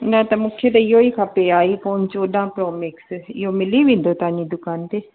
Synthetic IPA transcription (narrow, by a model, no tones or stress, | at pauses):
nãːt̪amʊkʰjet̪eɪoːiːkʰapeːaːiːpɔːnt͡ʃoːɗãːpɾɔːmɪksɪ̰joːmɪliːʋɪ̃ːnd̪oːt̪aːnĩːd̪ʊkaːnt̪eː